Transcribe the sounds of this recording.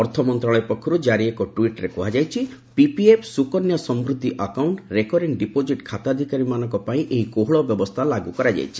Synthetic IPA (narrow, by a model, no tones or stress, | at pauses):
ɔɾt̪ʰɔmɔnt̪ɾaɭɔjpɔkʰːɔɾud͡ʒaɾiekɔʈwiʈɾekɔɦad͡ʒajt͡ʃʰipipiepʰsukɔnjɔsɔmbɾud̪ʱːiʔakawɳʈɾekɔɾeɳʈɖipod͡ʒiʈkʰat̪ad̪ʱikaɾimanɔ̃ŋkɔpaĩʔeɦikoɦɔɭɔbjɔbɔst̪ʰalaɡukɔɾad͡ʒa̰jt͡ʃʰi̥